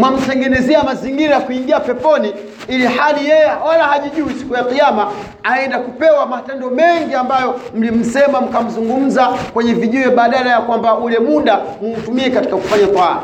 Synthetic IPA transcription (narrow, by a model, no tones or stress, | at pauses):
mwam̩tɛŋɡɛnɛziɛamaziŋɡiɾajakuiŋɡiapɛpɔni | ilihalijɛjɛwalahaʄiʄuisi̥kujaqijama | aɛndakupɛwamatɛndɔmɛŋɡiambajɔm̩lim̩sɛmam̩kam̩zuŋɡum̩zakwɛɲɛviʄuɛɓaːɗalajakwambaulɛmuɗa | mum̩tumiɛkati̥kaku̥faɲakwa